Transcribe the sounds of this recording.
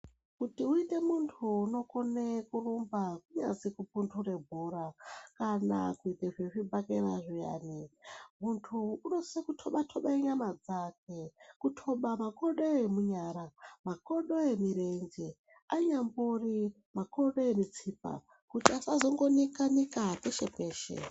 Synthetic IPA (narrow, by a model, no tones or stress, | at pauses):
kutiuite̞muntʰuːno̞konekurumbakuɲa̰zikupuntʰure̞bʱuɾakana̰kuiteʐeʐibʱakeɾaʐija̰ːnimuntʰuːno̞sekutʰoɓatʰoɓaiɲamad͡zak̚e̞kutʰo̞ɓamako̞ɗo̞jemuɲaːɾamako̞ɗojemiɾeɲd͡ʒe | aɲamburi | makoɗojemit͡siːp̚a̰ | kutiasazo̞ŋɡo̞nikaɲikapeʃe̞pe̞ːʃḛ